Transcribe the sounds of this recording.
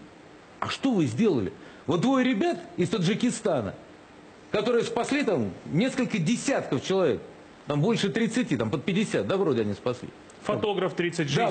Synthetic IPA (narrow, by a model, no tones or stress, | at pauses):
ɐ̰ʂt̪o̞vɨzʲdʲe̞lˠəlʲɪ̰ | vot̪d̪vo̞jɾʲɪbʲat̪ɪst̪əʐɨkʲɪst̪anə̰ | kɐt̪o̞ɾɨjəspɐsʲlʲit̪amnʲe̞skəlʲkədʲɪsʲat̪kəft͡ɕɪlˠɐvʲe̞̰k̚ | t̪ambo̞lʲʂɨt̪ɾʲɪt̪sɨtʲit̪ampət̪̚pʲɪdʲɪsʲat̪̚d̪avɾodʲɪɐnʲispɐsʲlʲḭ | fɐt̪oɡɾəft̪ɾʲit̪sɨt̚ʲʒd̪a